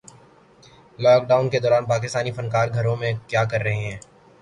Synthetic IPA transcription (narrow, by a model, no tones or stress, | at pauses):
lɔːk̚ɖaːʊnked̪ɔːɾaːnpaːkɪst̪aːnifɐnkaːɾɡʱɐɾõmẽkjaːkɐɾːɐɦeɦɛ̃ː